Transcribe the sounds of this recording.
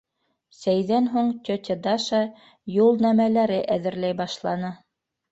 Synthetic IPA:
sæjðænɦuɴt̪ʲot̪ʲed̪ɑʃɑ | julˠnæmælæɾɘʔæðɘ̆ɾlæjbɑʃlˠɑnɤ

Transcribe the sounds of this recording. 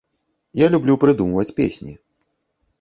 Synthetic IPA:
jalʲublʲupɾɨd̪umvɐt͡sʲpʲesʲnʲḭ

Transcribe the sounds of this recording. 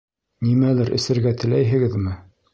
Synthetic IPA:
nimælɘɾʔɘ̰̆sɘ̆ɾɡæt̪ɘ̆læjɦɘ̆ɡɘðmɘ

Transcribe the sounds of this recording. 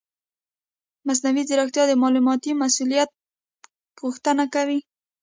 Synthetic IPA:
mas̬nawizɪɾaxt̪jɑd̪əmɑlumɑt̪imasulijat̪̚ | ɣuxt̪ənakawi

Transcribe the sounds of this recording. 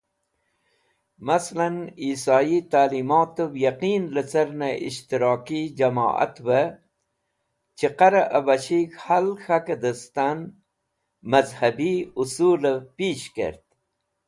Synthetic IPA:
maslaniːsɑːit̪aːlimoːt̪əjaqiːnlət͡sɐɾnaʔḭʃt̪iɾɑːkid͡ʑɐmɑ̰ːʔa̰t̪wə | t͡ʃiqaɾaʔəbɐɕikhalxakəd̪əst̪an | mɐzhɐbiusuːləpiːɕkḛɾt̪

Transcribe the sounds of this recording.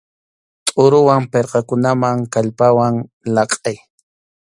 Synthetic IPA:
t̪ʼʊɾʊwampeɾqɑkʊnamaŋkaʎpawaŋ | lɑqʼaj

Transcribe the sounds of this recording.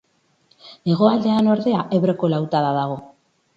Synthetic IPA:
eɣ̞o̞ald̪e̞ano̞ɾðe̞aʔeβɾeko̞lawt̪aðaðaɣ̞o̞

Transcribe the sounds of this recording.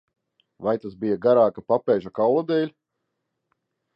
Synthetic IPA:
vajt̪asbijaɡaɾaːkapapɛːʒakawlˠad̪ɛːlʲ

